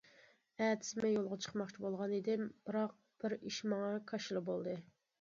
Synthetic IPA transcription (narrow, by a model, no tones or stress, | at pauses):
æːt̪ʰɪ̥smɛjolˠʁɑt͡ʃʰə̥qmɑχt͡ʃʰibolˠʁɑnid̪ɪmb̥ɨɾɑq̚ | b̥ɪɾiʃmɑŋɑkʰɑʃɨlˠɨbolˠd̪ɨ